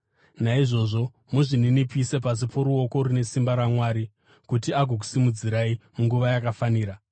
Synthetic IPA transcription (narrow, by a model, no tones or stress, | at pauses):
naiʐo̞ʐo̞ | muʐininipise̞pas̬ipʰo̞ɾuwo̞ko̞rune̞simbaɾamwaːɾi | kutiaɡʱok̬u̥simud͡ziɾaimuŋɡuʋajakafaniːɾa